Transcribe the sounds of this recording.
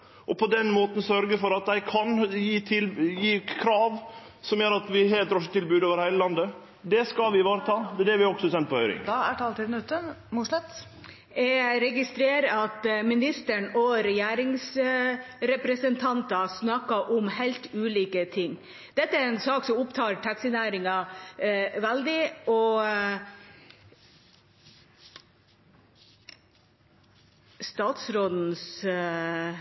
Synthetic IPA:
ʔɔpʰɔd̪ɛnmoːt̪ən̩sœɾɡəfɔɾɑt̪̚d̪æɪkʰɑnjiːt̪ʰɪljiːkʰɾɑːʋ | sɔmjøːɾɑt̪ʋɪɦɛːɾɛt̪ɾɔʂət̪ʰːɪlbʉːd̪ɑːʋəɾhæɪləlɑnd̪ə | d̪ɛskɑlʋɪʋɑːɾət̪ʰɑːd̪ɛd̪ɛɾʋɪɔɡsɔɛsɛnt̪pʰɔhœɾɪ̰ŋæʈʰɑːlt̪ɪnʉt̪ːəmʊʂlɛt̪ | ɛɾɛɡɪst̪ɾeːɾəɑt̪mɪnɪst̪əɳɔɾɛjæːɾɪŋs | ɾɛpɾɛsənt̪ʰɑnt̪ɑsnɑkɑʔʊmhæɪlt̪ʉːliːkət̪ʰɪŋː | d̪̥ɛt̪ːəæɾɛnsɑːksɔmʊpt̪ʰɑːɾʈʰɑksɪnæːɾɪŋɑ | ʋɛld̪ɪɔ | st̪ɑːt̪sɾoːd̪n̩s

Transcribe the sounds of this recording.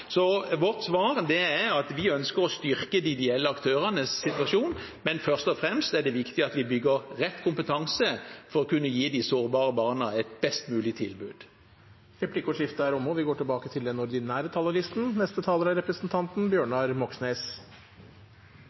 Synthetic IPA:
sɔʋɔʁt̪sʋɑːʁd̪ɛæɾɑt̪ʋɪœnskəɾɔst̪ʏɾkəd̪ɪd̪ɛɛlːəɑkt̪ʰøːʁənəsːɪt̪ʋɑʂuːn | mɛnfœʁst̪ɔfɾɛmst̪æɖɛʋɪkt̪ɪɑt̪ʋɪbʏɡəʁʁɛt̪ːkʰʊmpət̪ʰɑŋsəfɔɾɔkʉnːəjiːd̪ɪsoːʁbɑːɾəbɑːʁnəɛt̪̚bɛst̪mʉːlɪt̪ʰɪlbʉːd̪̥ | ɾɛpʰlɪkʊʂɪft̪əhæːɾɔmoʋɪɡoːʈɪlbɑːkət̪ʰɪld̪ɛnɔɾd̪ɪnæːɾət̪ʰɑːlɑɾɪst̪n̩nɛst̪ət̪ʰɑːləɾæɾɛpɾəsnt̪ʰɑnt̪n̩bjøːɳɑɾmɔksneːs

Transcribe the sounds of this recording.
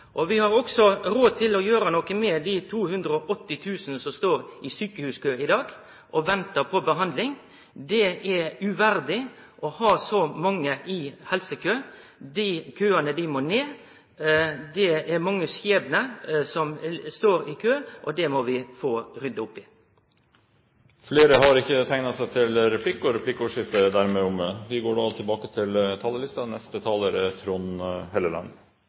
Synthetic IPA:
ʔɔʋɪhɑɾɔksɔɾoːt̪ʰɪlɔjøːɾənɔkəmɛd̪ɪt̪ʰuːhʉnd̪ɾəɔʔɔt̪ːɪt̪ʰʉːsənəsɔmst̪oːɾɪsyːkəhʉːskʰøːɪd̪ɑːɡ | ʔɔʋɛnt̪əpʰɔbəɦɑnd̪lɪŋ | d̪ɛɛʉʋæɾd̪ɪʔɔhɑːsɔmɑŋːəʔɪhɛlsəkʰøː | d̪ɪkʰøːɑnəd̪ɪmoːneː | d̪ɛɛɾmɑŋːəsjeːbənəsɔmst̪oːɾɪkʰøːʔɔd̪ɛmɔʋɪfoːɾʏd̪əʊpːɪ | fleːɾəɦɑɾɪçːət̪ʰæɪnɑsæɪt̪ʰɪlɾɛpʰlɪkːɔɾɛpʰlɪkːuːʂɪft̪əd̪æɾmeːɔmʋɪɡoːɖɑt̪ʰɪlbɑːkət̪ʰɪlt̪ʰɑːlːəlɪst̪ɑnɛst̪ət̪ʰɑːləːɾət̪ʰɾʊnhɛləlɑ̰n

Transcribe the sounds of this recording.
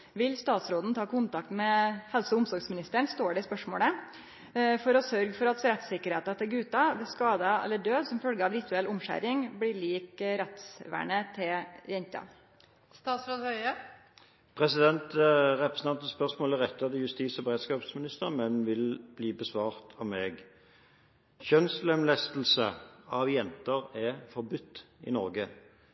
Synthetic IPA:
ʋɪlst̪ɑːt̪sɾoːd̪n̩t̪ʰɑːkʰʊnt̪ɑkt̪mɛhɛlsəʊmsɔɾɡsmɪnɪst̪əɳst̪oːɖɛɪspœʂmo̰ːlə | fɔɾɔsœɾɡfɔɾɑt̪ɾɛt̪sɪkːəɾheːt̪ɑt̪ʰɪlɡʉːt̪ɑbɪskɑːd̪ɑɛ̰lːəɖøːd̪sɔmfœlɡəɑʋɾɪt̪ʉɛlʔʊmʃæ̰ɾɪŋblɪɭiːkɾɛt̪sʋæ̰ːɳət̪ʰɪjɛɲt̪ɑ̰ | st̪ɑːt̪sɾoːd̪hœʏə | pʰʁɛsɪd̪ɛnt̪ʁɛpɾəsnɑnt̪ən̩spœʁsmoːləʁɛt̪ːɑd̪ɪjʉst̪iːsɔbəʁeːd̪skɑːpsmɪnɪst̪əʁmɛnʋɪlb̥liːbəsʋɑːʁt̪ʰɑmmɛːɡ | çœnslɛmlɛst̪l̩səɑʋjɛnt̪əʁɛfɔʁbʉt̪ːɪ̰nɔʁɡə

